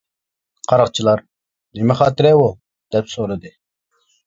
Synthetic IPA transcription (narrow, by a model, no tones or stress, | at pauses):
qʰɑɾɑqt͡ʃʰilˠɑɾ | nimɪχɑːt̪ɪɾɛwu | d̪̥ɛpsoɾɨd̪ɨ